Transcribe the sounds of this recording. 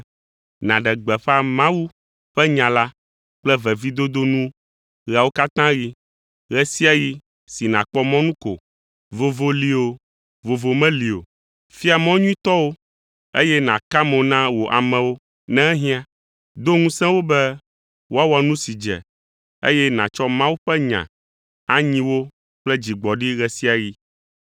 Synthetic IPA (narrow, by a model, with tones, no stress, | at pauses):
nã˨ɖɛ˨ɡ͡bɛ˨ɸɛ˦a˨mã˦wu˦ | ɸɛ˦ɲã˨la˦ | k͡plɛ˦vɛ˨vi˦d̪o˦d̪o˦nũ˦ | ɣa˨wo˦ka˦t̪ã˦ji˦ | ɣɛ˦si˦a˦ji˦ | si˨nã̰˨k͡pɔ˦mɔ̃˦nũ˦ko̰˨ | vo˨vo˨li˨o˨ | vo˨vo˨mɛ̃˦li˨o̰˨ | fi˦a˨mɔ̃˦ɲũ˦ĩ˦t̪ɔ˦wo˦ | ḛ˦jɛ˦nã˨ka˦mɛ̃˨˦nã˦wo˨ʔa̰˨mɛ̃˨wo˦ | nɛ̃˦ɛ˦ɦĩ˦a˦ | d̪o˦ŋũ˦sɛ̃˦wo˦bɛ˦ | wo˦a˦wa˨nũ˦si˨d͡ʒɛ̰˨ | ḛ˦jɛ˦nã˨t͡ʃɔ˦mã˦wu˦ɸɛ˦ɲã̰˨ | a˦ɲĩ˦wo˦ | k͡plɛ˦d͡ʑi˨ɡ͡bɔ˨ɖi˦ɣɛ˨si˦a˨ji˦